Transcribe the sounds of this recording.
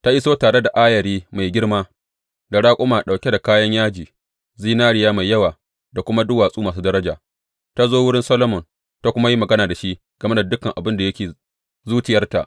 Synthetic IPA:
ta˦ʔɪ˦soː˦taː˨ɽe˦da˨ʔa˦jɐ˨ɾiː˦ma˨jɡʲɪ˦rmaː˦ | da˨ɽaː˦kʷʼʊ˦maː˨ɗa˨kʲe˦da˨kaː˦jɐ˦ɲjaː˦d͡ʒiː˨ | ziː˦naː˦ɽɪ˨jaː˦ma˨jːɐ˦waː˨ | da˨kʷʊ˦ma˦dʊ˦waː˨sʼuː˦maː˨s̬uː˦dɐ˦ɾɐ˦d͡ʒa̰ː˨ | ta˦zoː˦wʊ˦ɽɪ˦nsɐ˦lo˦mɔ˨n | ta˦kʷʊ˦ma˦ji˦mɐ˨ɡɐ˦naː˨da˨ʃi˦ʔ | ɡ̥ɐ˨me˦da˨dʊ˦kɐ˨ŋʔa˨bɪ˦nda˨jɐ˦kʲeː˨ | zuː˦t͡ʃɪ˨jɐ˦rta̰˨ʔ

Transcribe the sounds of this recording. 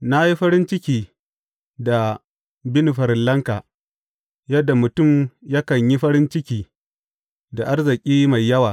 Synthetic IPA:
na˦ji˦ɸɐ˦ɾɪ˦nt͡ʃɪ˦kʲiː˨ | da˨ | bɪ˦ni˨ɸɐ˨ɾɪ˨nlɐ˦ŋka˨ | jɐ˦dːa˨mʊ˨tʊ˦˨mja˦kɐ˨ɲji˦ɸɐ˦ɾɪ˦nt͡ʃɪ˦kʲiː˦˨ | da˨ʔa˦rzɪ˨kʲʼiː˦ma˨jːɐ˦waː˨

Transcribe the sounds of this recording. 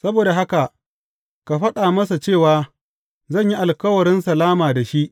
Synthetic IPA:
sɐ˦boː˨da˨ɦa˦ka˨ | ka˨ɸɐ˦ɗaː˨mɐ˦sa˨t͡ʃeː˦˨waː˨ | zɐ˦˨ɲji˦ʔa˨lkɐ˦wɐ˨ɾɪ˦nsɐ˨laː˦maː˨da˨ʃi˦ʔ

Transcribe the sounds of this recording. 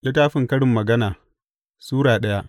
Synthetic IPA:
lɪ˦taː˦ɸɪ˨ŋkɐ˦ɽɪ˨mːɐ˨ɡɐ˦naː˨ | suː˦ɽaː˨ɗɐ˦ja˦ʔ

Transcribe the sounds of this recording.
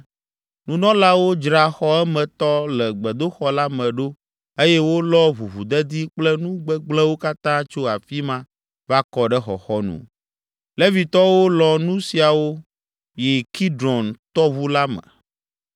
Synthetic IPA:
nũ˦nɔ̃˦la˦wo˦d͡ʒɾa˨xɔ˦ɛ˦mɛ̃˨t̪ɔ˦lɛ˨ɡ͡bɛ˨d̪o˦xɔ˦la˦mɛ̃˨ɖo˦ | e˦jɛ˦wo˦lɔ˦vu˨vu˨d̪ɛ˦d̪i˦k͡plɛ˦nũ˦ɡ͡bɛ˦ɡ͡blɛ̃˦wo˦ka˦t̪ã˦t͡ʃo˦a˨fi˦mã˦ | va˦kɔ˦ɖɛ˦xɔ̰˨xɔ˦nṵ̃˨ | lɛ˦vi˨t̪ɔ˦wo˦lɔ˨nũ˦si˨a˨wo˦ | jɛ˨ki˦dɾɔ˨nt̪ɔ˦vu˦la˦mɛ̰̃˨

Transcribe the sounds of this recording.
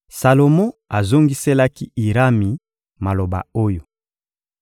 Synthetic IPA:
sa˨lo˨mɔ̃˦a˨zo˦ŋɡi˦se˦la˦ki˦i˨ʁa˦mi˨ | ma˨lo˨ba̰˨o˦jo˨

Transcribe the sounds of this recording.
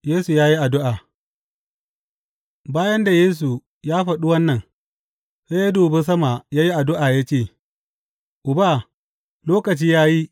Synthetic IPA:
jeː˦su˨jaː˦ji˦ʔa˨dʊ˦ʔa˨ | baː˦jɐ˦nda˨jeː˦s̬u˨ | jaː˦ɸɐ˨ɗu˦wɐ˦nːɐ˨ŋ | ɸe˦ja˦doː˨be˦s̬ɐ˦ma˨jaː˦ji˦ʔa˨dʊ˦ʔaː˨ja˦t͡ʃeː˦˨ | ʔʊ˨ba˦˨ | loː˦kɐ˨t͡ʃiː˦jaː˦ji˦ʔ

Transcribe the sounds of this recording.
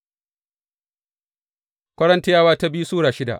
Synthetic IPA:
kʷɐ˦ɽɐ˦nta˦jaː˦˨waː˦ta˦bi˦u˦suː˦ɽaː˨ʃɪ˦da̰˨ʔ

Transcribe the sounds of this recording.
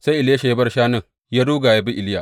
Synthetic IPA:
sa˦ʔɪ˨lja˦ʃa˨ja˦bɐ˦rʃaː˦nɪ˦ŋ | jaː˦duː˦ɡaː˨ja˦bi˦ʔɪ˨lɪ˦ja˨ʔ

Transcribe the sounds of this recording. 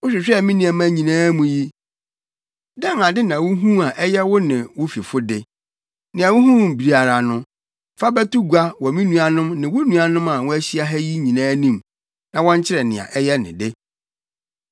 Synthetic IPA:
wʊ˦ɕᶣɪ˨ɕᶣɛ˦˨mĩ˦nĩ˨ɛ˨mã˦ɲĩ˨nãː˦mũ˨ji˦ | dɛ̃˦ŋã˨dɪ˦nã˨wʊ˦ɦũ˦a˨ʔɛ˦jɛ˦wʊ˦nɪ̃˨wʊ˦fi˨fʊ˦dɪ˦ | nɪ̃˨a˨wʊ˦ɦũ˦˨m̩˨bi˨ɾi˦a˨ɾa˨nʊ̃˦ | fa˦bæ˦tu˦ɡu˨a˦wɔ˨mĩ˦nũ˦a˨nʊ̃˦mnɪ̃˨wʊ˦nũ˦a˨nʊ̃˦mã˨wʊ̃˦æ˦ɕi˦a˦ɦɛ˦ji˦ɲĩ˨nãː˦nĩ˦˨m | nã˨wɔ̃˦ɲ˦t͡ɕʰɪ˦ɾɛ˨nɪ̰̃˨ã̰˨ʔɛ˦jɛ˦nɪ̰̃˨dɪ˦

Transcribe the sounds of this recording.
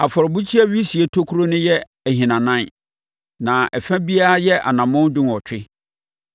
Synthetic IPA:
a˨fɔ˨ɾbu˦t͡ɕʰi˦ɛ˦ɥi˦si˨e˦tʰo˦kʰu˦ɾo˦nʊ̃˦jɛ˦˨ | hĩ˨nã˨nã˦n | nã˨ɛ˨fɛ̃˦bi˦a˦a˦jɛ˦ʔa̰˨nã˨mɔ̃˦n˦dʊ̃˦nɔ˨t͡ɕᶣɪ˦

